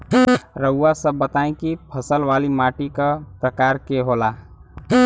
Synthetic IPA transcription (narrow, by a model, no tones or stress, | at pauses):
ɾəʊːasəbət̪aẽkipʰəsəlʋalimaːʈikəpɾəkaɾkeɦola